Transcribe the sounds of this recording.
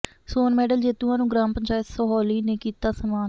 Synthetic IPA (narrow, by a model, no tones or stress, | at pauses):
soːnmɛːɖəld͡ʒeːt̪ũãːnũːɡɾãːmpəɲt͡ʃaːjɪt̪soɦɔːliːneːkiːt̪aːsəmaːn